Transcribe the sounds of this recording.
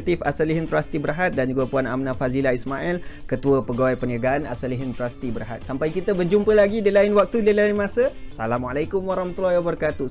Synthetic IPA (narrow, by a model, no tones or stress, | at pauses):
t̪ifasaliɦənt̪ɾast̪ibəɾaɦat̪̚dand͡ʒuɡapuana̰mnafazilaismaʔɛlkət̪uəpəɡawajpəniaɡaana̰saliɦənt̪ɾast̪ibəɾɦa̰t̪̚sampajkit̪əbərd͡ʒumpəlaɡidilainwak̚t̪udəlainmasəsa̰lamalakumwaɾɑhmat̪ulːahiwabəɾəkat̪u